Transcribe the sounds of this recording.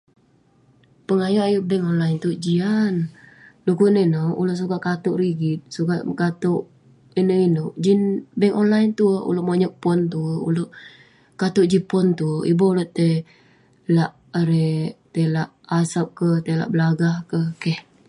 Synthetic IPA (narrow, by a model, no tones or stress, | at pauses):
pəŋajoʔajuʔbɛŋɔnlajnt̪ud͡ʒianlukuinənəṵloʔs̬uɡaʔkat̪uʔɾiɡit̪̚suɡaʔkat̪uʔ | inəinoʔd͡ʒinbɛŋɔnlajnt̪uṵloʔmaɲɔʔ̚pɔnt̪uṵloʔ | kat̪uʔd͡ʒipɔnt̪uḭboulot̪e | laʔ | ɾɛt̪elaʔasap̚kət̪ela̰ʔbəlaɡahkəkɛh